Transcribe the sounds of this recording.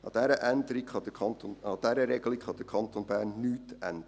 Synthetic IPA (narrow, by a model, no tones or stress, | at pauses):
ɑ̰d̥̪ɛɾəʔænd̪əɾikχɑd̥̪əɑnt̪onɑd̥̪ɛɾəɾɛɡəlikχɑd̥̪əkʰɑntoːnbæːɾnːyːtæ̰nd̥̪ə